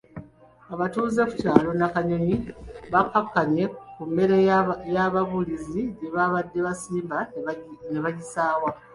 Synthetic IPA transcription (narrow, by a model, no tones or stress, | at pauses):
aβatuːzeku̥taːlo̞nakaɲoɲiβakakːaɲe̞kumːe̞ɾejaβaβuliziɲeβaβadːe̞βasiːmbaneβaɟisaːwa